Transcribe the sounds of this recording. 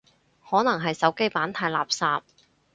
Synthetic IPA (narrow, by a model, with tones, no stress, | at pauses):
hɔː˨˥nɐ˨˩ŋɦɐ˨jsɐ˨˥wke˥jpaː˨˥nt̪ʰaː˧jla̰ː˨p̚saː˨p̚